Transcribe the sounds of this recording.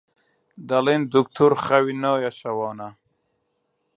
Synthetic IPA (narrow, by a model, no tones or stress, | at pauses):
d̪alind̪ukt̪ʰuɾχawinojaɕawɑːna